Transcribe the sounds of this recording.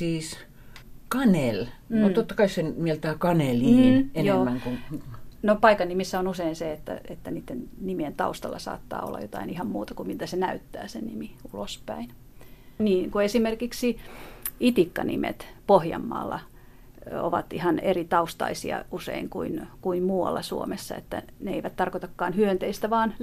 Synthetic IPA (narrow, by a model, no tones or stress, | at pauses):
siːs | kɑnelmut̪ot̪ːɑkɑisenmielt̪æːkɑneliːenjoːmːæŋkuŋnopɑikɑnnːimisːæonuseinseet̪ːæ̰et̪ːæniːt̪ːennimient̪ɑ̰ust̪ɑlːɑsɑ̰ːt̪ːɑ̰ːo̰lːɑ̰jot̪ɑinihɑmmuːt̪ɑkumilt̪æsenæyt̪ːæ̰ːsenimiulospæin | niːŋkuesimerkiksi | it̪ikːɑnʔḭmʔḛt̪pohjɑ̰mːɑ̰ːlːɑ | o̰ʋɑt̪ihɑnerit̪ɑust̪ɑ̰isiɑ̰usḛiŋkuinkuimmuːwɑ̰lːɑsuomesːɑḛt̪ːæ̰ | neeiʋæt̪t̪ɑrkot̪ɑkːɑːnhyønt̪eist̪æʋɑːn